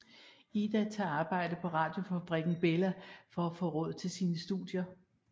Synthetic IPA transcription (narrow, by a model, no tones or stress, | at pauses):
id̥æt͡sʰɑ̰̈ːɑ̈ːb̥ɑ̈ɪ̰d̥əpʰɒ̽ʁɑ̈ːd̥jo̝fæb̥ʁɛɡ̥n̩b̥elɐfɒ̽æfɔ̰ːʁɔ̽ð̞̰ˠt͡sʰe̝lsiːnəsd̥ṵðˠjɐ